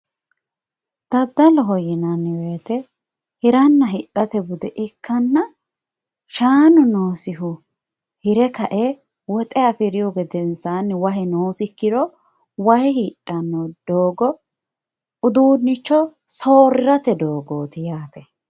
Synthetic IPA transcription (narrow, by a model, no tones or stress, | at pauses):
d̪̥ɐd̪ːɐlɔɦɔjɪnɐnːɪweːt̪ɛ | hɪɾɐnːɐɦɪtʼːɐt̪ɛbʊd̪ɛʔɪkʰːɐnːɐ | ʃaːnʊnoːsɪhʊ | hɪɾɛkɐʔɛ | wɔt̪ʼɛɐfɪɾɪjɔɡɛd̪ɛnsanːwɐɦɛnoːsɪkːɪd̪ɔ | wɐhɛhiːtʼːɐnːɔd̪̥oːɡɔ | ʊd̪uːnːɪt͡ʃːɔ | soːɾɪɾɐt̪ɛd̪o̞ːɡoːt̪ɪjaːt̪ɛ